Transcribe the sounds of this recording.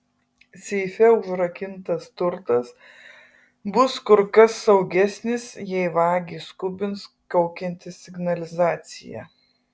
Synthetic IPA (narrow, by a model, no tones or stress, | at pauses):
sʲɛɪfʲɛʊʒɾɐkʲɪnt̪ɐst̪ʊɾt̪ɐs | bʊskʊɾkɐsːɐʊɡʲɛsʲnʲɪsjɛɪʋɑːɡʲiːskʊbʲɪns | kɐʊkʲɛnʲt̪ʲɪsʲsʲɪɡnɐlʲɪzɑːt̪sʲɪ̰jɛ̰